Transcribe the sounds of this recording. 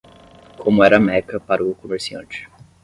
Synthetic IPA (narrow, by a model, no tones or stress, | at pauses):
kʰõmʊɛɾɐmɛkɐpaɾɐʊkomeɾsiɐ̰̃nt͡ʃɪ̥